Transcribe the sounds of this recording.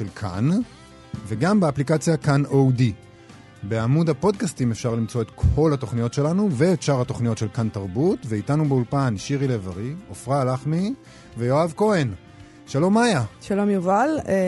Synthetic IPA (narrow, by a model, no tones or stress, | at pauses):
ʃelkʰa̰n | ve̞ɡambeaplikat͡sjakanowdi | be̞amudhapo̞dkastimefʃaʁlimt͡soe̞tkʰo̞lhato̞χnijo̞tʃe̞lanuveːtʃaʁhato̞χnijo̞tʃe̞lkantaʁbutveitanubeulpanʃiʁilevaʁiofʁaːlaχmi | vejo̞avko̞e̞n | ʃalo̞mːajaʃalo̞mjuval